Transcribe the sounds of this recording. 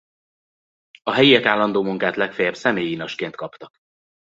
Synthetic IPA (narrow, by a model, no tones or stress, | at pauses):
ɒɦɛjiɛkaːlːɒnd̪oːmuŋkaːt̪lɛkfejɛbsɛmeːjinɒʃkeːnt̪̚kɒpt̪ɒk